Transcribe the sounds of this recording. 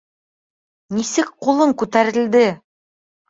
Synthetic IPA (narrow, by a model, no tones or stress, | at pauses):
nisɘk̚qulˠɤɴkʉt̪æɾɘ̆ld̪ɘ